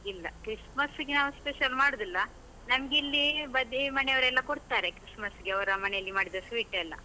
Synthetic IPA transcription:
ilːɐkɾismɐsɡenaːʋuspeʃɐlmaːɽod̪ilːɐ | nɐmɡeilːibɐd̪imɐneɐʋɐɾɛlːɐkoɽt̪aːɾekɾismɐsɡeɐʋɐɾɐmɐneɐlːimaːɽid̪ɐsʋiːʈɛlːɐ̰

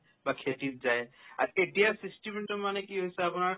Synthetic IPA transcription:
bakʰetit̪̚zaea̰ɾeʈijasisʈimeɳʈɔmːanekiɦojseapunaɾ

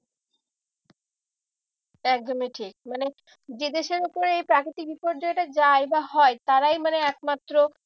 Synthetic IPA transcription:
ɛk̚d̪omiʈʰik̚mane | d͡ʑed̪eʃeɾopoɾejpɾakɾit̪ibipoɾɖd͡ʑoeʈad͡ʑaebaɦɔet̪aɾajmaneɛk̚mat̪ːɾo

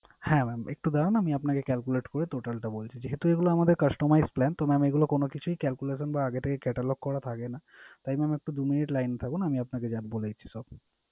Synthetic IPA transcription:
hɛ̃mɛmḛk̚ʈud̪aɽonamiapnakekɛlkuleʈkoɾet̪oʈalʈabolt͡ɕʰid͡ʑeɦet̪ueɡuloamad̪eɾkɐsʈomajzplɛnt̪omɛmeɡulokonokit͡ɕʰuikɛlkuleʃonbaaɡet̪ʰekekɛʈaloɡ̚kɔɽat̪ʰakenat̪ajmɛmek̚ʈud̪uminiʈlajnt̪ʰakunamiapnaked͡ʑad̪̚bolajt͡ɕʰi̥sɔb

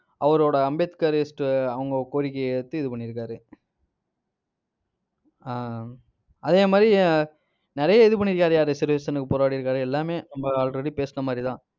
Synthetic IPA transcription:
ɐʋɐɾoːɽɐɐmbet̪ɯ̥kaːɾɪsʈɯɐʋɐŋɡɐkoːɾɪkːɐɛɽɯt̪ːɯɪðɯpɐɳːɪɾɯk̬ːaːɾɯ | ɐðeːmaːd̪ɾi | nɪɾɐjɐɪðɯpɐɳːɪɾɯkːaːɾɯjaːɾɯsɪɾʋɐsɐnɯkːɯpɔːɾaːɽiɪɾɯkːaːɾɯɛlːaːmeːnɐmbɐaːlɾɐɽipeːsɯnɐmaːd̪ɾit̪ãː

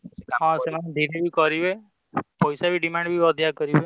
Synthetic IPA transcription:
ɦɔ̃semaned̪ʱiɾebʱikɔɾibe | pɔjsabʱiɖimaɳɖbʱiɔd̪ʱjakɔɾibe

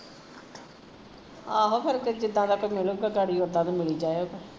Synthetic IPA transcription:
aːɦoːpʰɪɾked͡ʒɪd̪ːãːd̪aːkot͡ʃmɪloːɡaːɡaːɽiːoːd̪ãːd̪aːmɪliːd͡ʒaːeoːɡaː

